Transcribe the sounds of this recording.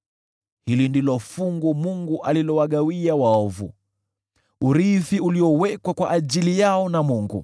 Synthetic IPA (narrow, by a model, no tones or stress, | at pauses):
hilindilɔfuŋɡumuŋɡuʔalilɔwaɠawiawaɔvṵ | uɾiθiuliɔwɛkwakwaʔaʄilijaɔnamuŋɡṵ